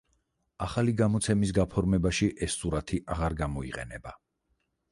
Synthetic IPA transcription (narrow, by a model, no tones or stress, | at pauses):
aχaliɡamɔt̪sʰɛmis̬ɡapʰɔɾmɛbaʃiʔɛsːuɾat̪ʰiʔaʁaɾɡamɔḭqʼɛ̰nɛba